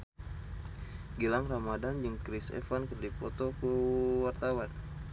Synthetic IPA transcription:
ɡilaŋramadand͡ʒɨŋkɾisɛ̰fankərdipɔt̪okəwart̪awan

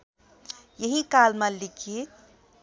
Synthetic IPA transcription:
jəɦikalmalikʰi

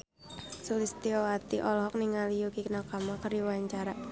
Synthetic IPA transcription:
sulist̪iɔwat̪iʔɔlɔɦɔk̚niŋalijukiknakamakəriwaɲt͡ʃaɾa

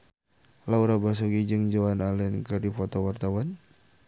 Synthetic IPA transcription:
lauɾabas̬ɔɡid͡ʒəŋd͡ʒɔwanalɛnkɨdifɔt̪ɔwart̪awan

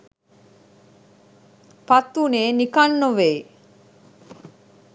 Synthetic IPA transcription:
pat̪ːuneːnikanːoʋej

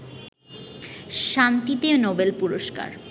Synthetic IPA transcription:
ʃant̪it̪enobelpuɾoʃka̰ɾ

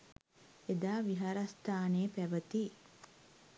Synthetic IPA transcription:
ed̪aːʋiɦaɾɐst̪ʰaːneːpæʋət̪i

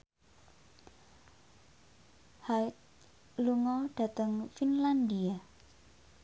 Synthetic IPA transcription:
haɪt̪̚ | luŋɔɖ̥a̤t̪əŋfinland̪ia

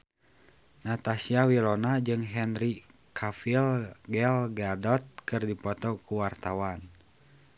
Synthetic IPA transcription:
nat̪asiawilɔnad͡ʒɨŋɦɛnri | kʰafilɡɛlɡadɔt̪̚kɨrdipɔt̪ɔkuwart̪awan

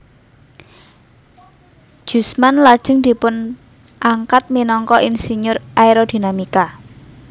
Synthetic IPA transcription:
ʒ̥ṳsmanlad̥ʒ̥ə̤ŋd̪̥i̤pʊn | ʔaŋkat̪̚minɔŋkɔʔinsiɲʊrʔaiɾod̪̥i̤namika

